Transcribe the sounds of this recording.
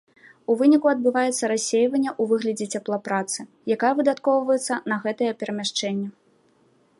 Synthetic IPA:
uvɨnʲikuɐd̪̚bɨvajɛt̪sːɐɾasʲːejvɐnʲːɐʔuvɨɣlʲɐd͡zʲɛt͡sʲaplˠɐpɾat̪sɨ | jakajɐvɨd̪at̪kɔwvɐjɛt̪sːɐnɐɣɛt̪ɐjɐpʲɛɾɐmʲaʂt͡ʂɛnʲːɐ

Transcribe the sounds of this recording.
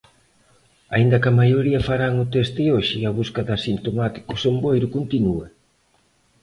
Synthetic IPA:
a̰ind̪ɐkɐmajoɾiɐfaɾaŋʊt̪ɛst̪ɪoʃɪɐβuskɐðɐsint̪omat̪i̥kʊsombojɾʊkont̪inuɐ

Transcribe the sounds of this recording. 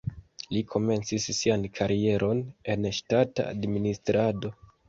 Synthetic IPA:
likʰo̞me̞nt͡sisːiankʰaɾie̞ɾʔo̞ne̞nʃtata̰a̰dministɾʔado̞

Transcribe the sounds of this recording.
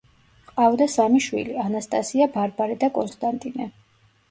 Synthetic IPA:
qʼavd̪asamiʃwḭlianast̪ʼasiabaɾbaɾɛd̪akʼɔnst̪ʼant̪ʼinɛ

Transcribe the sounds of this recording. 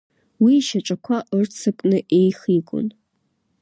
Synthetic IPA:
wiʃaʈ͡ʂʷʼakʷʰaʔɨrt͡sʰɨkʷʼnɨʔejχikʷʼʊ̰n

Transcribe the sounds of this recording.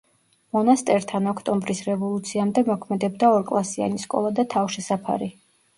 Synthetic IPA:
mɔnast̪ʼɛɾt̪ʰanɔkʰt̪ʼɔmbɾisɾɛvɔlˠut̪sʰiamd̪ɛmɔkʰmɛd̪ɛb̚d̪aɔɾkʼlˠasia̰niskʼɔ̰lˠad̪at̪ʰafʃɛsapʰa̰ɾi

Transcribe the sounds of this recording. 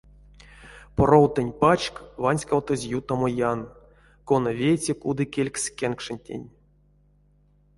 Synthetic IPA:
porowt̪ɨnʲpat͡ʃkvanʲsʲkawt̪ɨzʲjut̪omojan | konavʲejt͡sʲekud̪ɨkʲelʲksʲkʲenkʂɨnʲtʲḛnʲ

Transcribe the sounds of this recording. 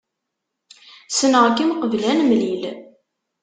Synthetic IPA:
sənəʁkːimqəvlænmlil

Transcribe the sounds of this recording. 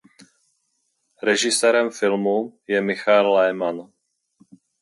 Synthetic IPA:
ɾɛʒɪsɛːɾɛmfɪlmujɛmɪxaɛlːɛjman

